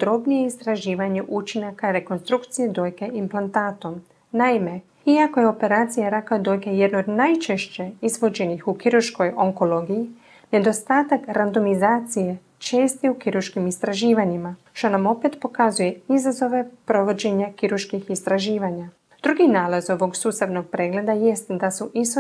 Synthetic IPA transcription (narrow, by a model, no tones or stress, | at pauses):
pod̪ɾo̞bnijeist̪ɾaʒiːʋaɲeʔut͡ʃinakaɾe̞ko̞nst̪ɾukt̪sije̞d̪o̞ːjkeʔimplˠant̪aːt̪o̞m | naime̞ | iako̞jeo̞pe̞ɾaːt̪sijaɾakad̪o̞jkejed̪nood̪najt͡ʃeʃt͡ɕeizʋo̞d͡ʑe̞nixukiɾuɾʃko̞joŋko̞lo̞ːɡiji | ne̞d̪o̞st̪aːt̪akɾand̪o̞mizaːt̪sije̞ | t͡ʃeːst̪iukiɾuʃkimist̪ɾaʒiːʋaɲimaʃt̪o̞namo̞pet̪po̞kazuje̞izazo̞ʋe̞pɾo̞ʋo̞d͡ʑe̞ɲakiɾuɾʃkixist̪ɾaʒiːʋaɲa | d̪ɾuɡinaːlazo̞ʋo̞ɡsuːst̪aʋno̞ɡ̚pɾe̞ɡle̞d̪aje̞st̪d̪asuʔis